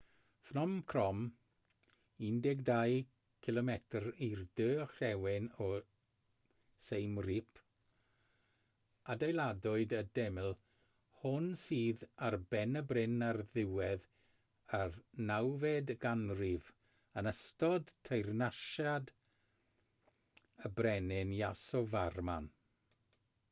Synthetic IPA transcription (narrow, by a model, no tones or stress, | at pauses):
fnɔmkʰrɔm | indɛɡdaj | kʰɪlˠɔmɛtʰrirdøːɬɛwɪnɔ | sejmripʰ | adejlˠadʊɨdədɛmɪlˠ | hʊnsiːðarbɛnəbrɪnarðɪwɛð | arnawvɛdɡanrɪv | ənəstɔdtʰejrnaʃad | əbrɛnɪnjasɔvarman